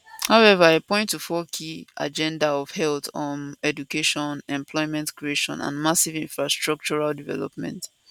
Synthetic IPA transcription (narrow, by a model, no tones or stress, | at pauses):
haʊɛvaepɔ̃ɪ̃ntːufɔkʰiʔa̰d͡ʒɛ̃ndaɔv̥hɛltɔ̃nɛdukeʃɔ̃nɛ̃mpʰlɔɪmɛ̃ntkɹieʃɔ̰̃nã̰nmasivĩɱfɹastɹɔk̚t͡ʃɔɹaldivɛ̰lɔ̰p̚mɛ̰̃nt